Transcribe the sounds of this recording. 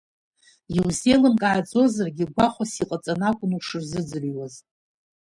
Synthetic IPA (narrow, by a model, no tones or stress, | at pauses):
jiwze̞lɨmkʼaʕad͡zʼo̞zarɡʲiɡʷaχʷasiqʼat͡sʼanakʷʼʊnuʂɨrzɨd͡zɨrwaz